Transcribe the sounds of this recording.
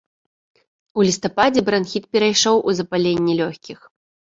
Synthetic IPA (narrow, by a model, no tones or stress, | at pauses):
ulʲist̪apad͡zʲɛbɾanxʲit̪pʲɛɾajʂɔwʔuzɐpalʲenʲːɛlʲɔxʲkʲix